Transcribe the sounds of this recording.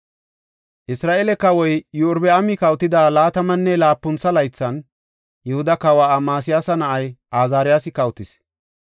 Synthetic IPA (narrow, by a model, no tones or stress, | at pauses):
ʔɪsɾaːʔelɛkːɐwɔjjʊːɾbɛɐmɪkɐwt̪ːɪd̪aːlaːt̪ɐmɐnːɛlaːpːʊnt͡sːɐlɐjt͡sːɐn | jɛhʊd̪ɐkɐwaamaːs̬ɪjaːsɐnɐʔɐjʔaːzaːɾɪjaːsɪkɐwt̪ɪs